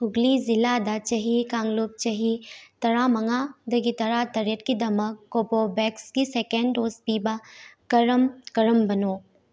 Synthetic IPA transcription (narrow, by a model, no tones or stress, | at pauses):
ʊɡlizɪlaːd̪at͡ʃɐɦikãːŋɡluːp̚t͡ʃɐɦit̪ɐɾamɐŋad̪ɐɡit̪ɐɾat̪ɐɾjət̪kid̪ɐməkːoːpobɛkskiseːkeɳɖoːspiːbakɐɾəmkɐɾəmbɐnoː